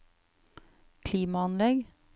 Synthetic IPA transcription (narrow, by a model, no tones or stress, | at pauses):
kʰliːmɑɑnlɛɡ